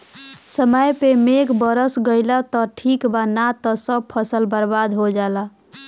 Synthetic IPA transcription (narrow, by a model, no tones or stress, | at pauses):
səməjpemekbəɾəsɡəɪlat̪ɔʈʰikbanat̪ɔsəb̚pʰəsəlbəɾbad̪ɦod͡ʒala